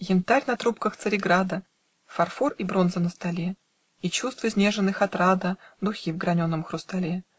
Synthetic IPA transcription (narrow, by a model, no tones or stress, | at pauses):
jʲɪnt̪aɾʲnɐt̪ɾupkəxt̪sɨɾʲɪɡɾad̪ə | fɐrforibɾo̞nzənəst̪ɐlʲe | it͡ɕust̪vɨzʲnʲe̞ʐɨnːɨxat̪ɾad̪əd̪ʊxʲivɡɾɐnʲonːəmxɾʊst̪ɐlʲe